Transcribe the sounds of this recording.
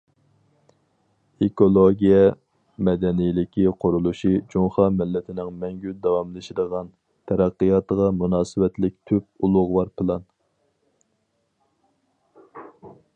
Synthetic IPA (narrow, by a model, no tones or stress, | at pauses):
ekolˠoɡʲijɛ | mɛd̪ɛnijlɪkʲʰiqʰʊɾulˠuʃid͡ʒuŋχɑmɪlːɪt̪ʰɪnɪŋmɛŋɡʲyd̪ɑwɑmlˠɨʃid̪əʁɑn | t̪ʰɛɾæqːəjɑt̪əʁɑmunɑːsɨwɛt̪lɪk̚ʲt̪ʰyp̚ulˠʊʁwɑɾpʰɨlˠɑn